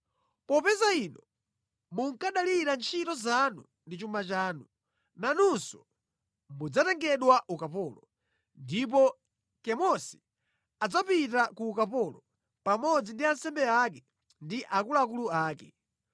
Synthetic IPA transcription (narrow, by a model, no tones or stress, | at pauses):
pɔpɛzainɔ | muŋkaɗaliɾant͡ʃʰitɔzanu | ndit͡ʃumat͡ʃaːnu | nanunsɔ̥ | mud͡zatɛŋɡɛɗwaʔukap̬ɔːlɔ | ndip̬ɔ | kɛmɔsi̥ | ad͡zapitakuːkapɔlɔ | pamɔd͡zindiansɛmbɛakɛ | ndiʔakulak̬uluaːkɛ